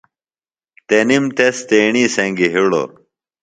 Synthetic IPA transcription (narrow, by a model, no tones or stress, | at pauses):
t̪enimt̪est̪eːɳiseŋɡiɦiɽo̰